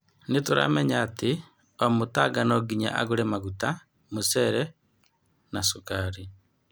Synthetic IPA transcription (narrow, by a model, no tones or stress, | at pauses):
netoɾa̰mɛɲaːte | omotaɡanɔɡiɲa̰ʔa̰ɣoɾemaɣuta | mosɛɾɛ | nasokaːɾi